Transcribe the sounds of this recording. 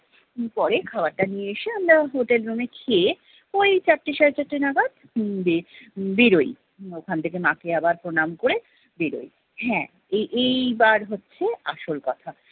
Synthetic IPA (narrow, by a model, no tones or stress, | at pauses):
pɔɾekʰabaɾʈanijeeʃeamɾaɦoʈelɾumekʰe | ojt͡ɕaʈːiʃaɾet͡ɕaʈːinaɡad̪ | bebeɾoj | okʰant̪ʰekemakeabaɾpɾonamkoɾe | beɾo̰j | ɦɛ̃ | eʔejbaɾɦotːɕʰeaʃolkɔt̪ʰa